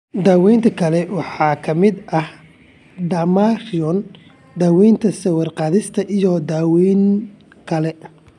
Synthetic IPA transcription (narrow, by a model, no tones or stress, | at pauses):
d̪aːwɛjnt̪ʰɐkʰɐlɛwɑħɑːkʰɐmɪd̪ɐh | d̪ɐmaɾijɔn | d̪aːwɛjnt̪ʰɐsɐwɐrqɑːðɪst̪ʰɐʔijɔd̪aːwɛjn | kʰɐlɛ